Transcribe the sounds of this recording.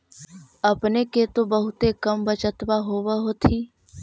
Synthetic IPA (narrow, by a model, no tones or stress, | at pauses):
ɐpneket̪obɐɦʊt̪ekəmbət͡ʃət̪ʋaɦoːʋaɦoːt̪ʰiː